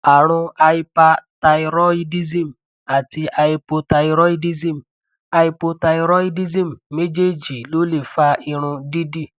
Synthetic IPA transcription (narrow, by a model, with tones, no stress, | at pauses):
a˨ɾ̃ũ˧a˧i˧pa˧ta˧i˧ɾɔ˦i˦di˦zĩ˦˨m˨ | a˨ti˧ʔa˧i˧po˧ta˧i˧ɾɔ˦i˧di˦zĩ˦m̩˨ | a˧i˧po˧ta˧i˧ɾɔ˦i˦di˦zĩ˦m̩˨me˦d͡ʒe˦˨d͡ʒi˨lo˨˦le˦˨fa˧˦i˧ɾ̃ũ˧di˦di˦˨